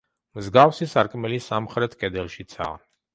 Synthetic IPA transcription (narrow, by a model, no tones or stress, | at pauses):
mzɡafsisaɾkʼmɛlisamχɾɛt̪ʰkʼɛd̪ɛlˠʃit̪sʰa̰ː